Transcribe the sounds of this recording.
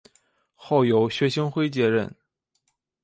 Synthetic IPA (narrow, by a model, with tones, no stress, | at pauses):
xo˥˩ʊjo˧˥ʊɕɥɛ˧˥ɕi˥ŋxwe˥ɪt͡ɕjɛ˧˥ɻə̰˥˩n